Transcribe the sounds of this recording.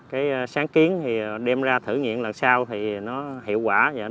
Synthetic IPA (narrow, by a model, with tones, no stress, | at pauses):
kaː˨˦jsaː˨˦ŋki˨˦ənt̪ʰi˨˩ɗɛ˧mzaː˧t̪ʰɨ̰˧˩ŋḭ˧˨ənlə˨˩nsaː˧wt̪ʰi˨˩nɔ˨˦hḭ˧˨wkwaː˧˩a̰˧˩